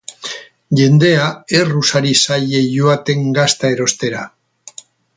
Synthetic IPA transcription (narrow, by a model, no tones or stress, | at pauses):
ʝe̞nd̪e̞ae̞rusaɾisaje̞ʝoat̪e̞ŋɡast̪ae̞ɾo̞st̪e̞ɾa